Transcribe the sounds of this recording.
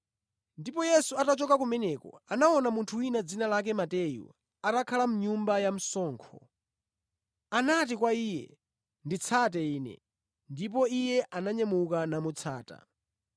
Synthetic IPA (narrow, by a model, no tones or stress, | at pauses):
ndipɔjɛsuatat͡ʃɔkakumɛnɛkɔ̰anaɔnamuntʰuwinad͡zinalak̬ɛmatɛjṵ | atakʰalamuɲumbajam̩sɔːŋkʰɔ̰ | anat̬ikwaiːjɛ̰ | ndit͡sʰat̬ɛiːnɛ̰ | ndip̬ɔijɛʔanaɲamukanamut͡sʰa̰ːta̰